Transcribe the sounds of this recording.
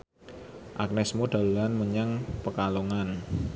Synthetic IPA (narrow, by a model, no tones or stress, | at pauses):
ʔa̰k̚nɛsmoɖ̪̥a̤lulanməɲaŋpəkaloŋan